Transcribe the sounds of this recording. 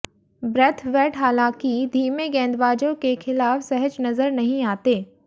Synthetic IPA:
bɾɛt̪ʰʋɛːʈɦaːlãːkid̪ʱiːmeɡɛ̃ːnd̪ʋaːd͡ʒõkexɪlaːfsɐɦəd͡ʒnɐzəɾnɐɦĩaːt̪eː

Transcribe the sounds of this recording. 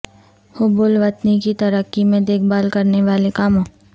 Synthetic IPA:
hʊbʊːlʋɐt̪nikit̪ɐɾəkːimẽd̪eːkʰbaːlkɐɾneʋaːlekaːmõː

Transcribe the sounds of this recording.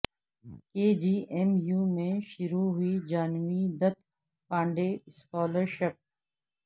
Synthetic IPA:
keːd͡ʒiːʔemjuːmẽʃʊɾuɦʊid͡ʒaːnmid̪ɐt̪ | pãːɳɖeskɔːləɾʃɪp̚

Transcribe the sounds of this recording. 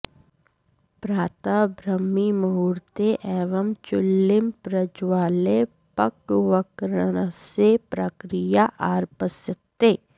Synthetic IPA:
pɾaːt̪abɾəmːimɐɦuːɾt̪eʔɛːʋəmt͡ʃʊlːɪmpɾɐd͡ʒwaːle | pɐkʋəkɾənəsepɾɐkɾijaʔaːɾpəsət̪ːeː

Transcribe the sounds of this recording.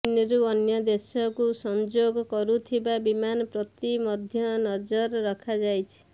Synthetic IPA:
iniɾuɔnjɔd̪esɔkusɔnd͡ʒoɡɔkɔɾut̪ʰibabimanɔpɾɔt̪imɔd̪ʱjɔnɔd͡ʒɔɾːɔkʰad͡ʒajt͡ʃʰi̥

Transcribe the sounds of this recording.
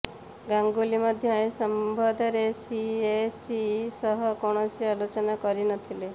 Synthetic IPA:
ɡaŋɡulimɔd̪ʱjɔaẽsɔmbʱɔd̪ʱɔɾesiesisɔɦɔkoɽ̃ɔsialot͡ʃɔnakɔɾinɔt̪ʰile

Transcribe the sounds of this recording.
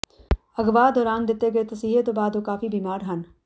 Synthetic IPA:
ɐɡʋaːd̪ɔːɾaːnd̪ɪt̪eɡɐet̪ɐsiːɦet̪obaːd̪okaːfibiːmaːɾɦɐn

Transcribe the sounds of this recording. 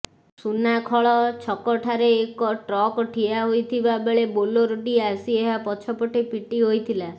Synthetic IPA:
sunakʰɔɭɔt͡ʃʰɔkɔʈʰaɾeːkɔʈɾɔkɔʈʰiaɦojt̪ʰibabeɭeboloɾoʈiasieɦapɔt͡ʃʰɔpɔʈipiʈiɦojt̪ʰila

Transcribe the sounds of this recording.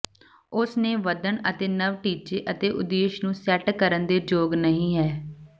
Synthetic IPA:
ʊsneːʋəd̪ənət̪eːnəʋʈiːt͡ʃeːʔət̪eːʔʊd̪eːʃnũːsɛːʈkəɾənd̪eːd͡ʒoːɡnəɦĩːɦɛː

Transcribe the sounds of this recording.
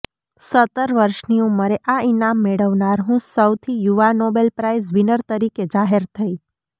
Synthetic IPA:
sət̪əɾʋəɾʃniũməɾeʔainamːeɭəʋnaɾɦũsəwt̪ʰijuʋanobelpɾaisʋinəɾt̪əɾiked͡ʒaɦeɾt̪ʰəi

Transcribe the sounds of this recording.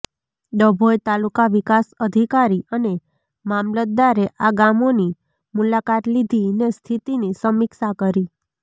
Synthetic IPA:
d̪əbʱojt̪alukaʋikasəd̪ʱikaɾiəne | mamlət̪̚d̪aɾeʔaɡamoni | mulakat̪lid̪ʱinest̪ʰit̪inisəmiksakəɾi

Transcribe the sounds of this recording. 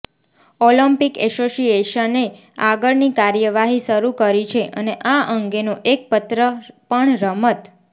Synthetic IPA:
oləmpikɛsosieʃəne | aɡəɭnikaɾjəʋaɦiʃəɾukəɾit͡ʃʰeʔə̰neʔaəŋɡenoʔek̚pət̪ɾəpəɳɾəmət̪

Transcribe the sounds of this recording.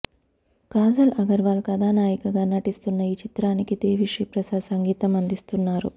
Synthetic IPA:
kaːzɐlɐɡɐɾʋaːlkɐd̪aːnaːjikɐɡaːnɐʈist̪unːɐiːt͡ʃit̪ɾaːnikid̪eːʋiʂipɾɐsasɐŋɡiːt̪ɐmɐnd̪ist̪unːaːɾu

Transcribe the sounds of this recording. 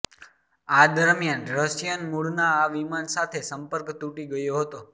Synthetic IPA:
ad̪əɾmjanɾəsjənmuɽnaːʋimansat̪ʰesəmpəɾkt̪uʈiɡəjoɦət̪o

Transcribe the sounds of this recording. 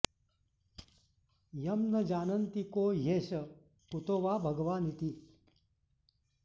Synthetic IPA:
jɐmnɐd͡ʒaːnɐnt̪ikoːjeːɕɐ | kut̪oːʋaːbʱɐɡʋaːnit̪i

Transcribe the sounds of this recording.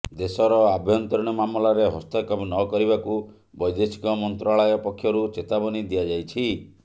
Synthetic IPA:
d̪esɔɾɔabʱjɔnt̪ɔɾɔɽ̃ɔmamɔlaɾeɦɔ̰st̪ɔkɔmnɔkɔɾiβaku | bɔjd̪esi̥kɔmɔnt̪ɾaɭajɔpɔkʰːjɔɾut͡ʃet̪abɔnid̪iad͡ʒajt͡ʃʰi

